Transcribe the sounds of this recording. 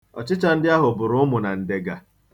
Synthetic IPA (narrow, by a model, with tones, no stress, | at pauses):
ɔ˨t͡ʃɪ˦t͡ʃa˦n̩˦dɪ˦a˦ɦʊ˨bʊ˨ɾʊ˨˦ʊ˦mʊ˨na˨n̩˨de˨ɡa˨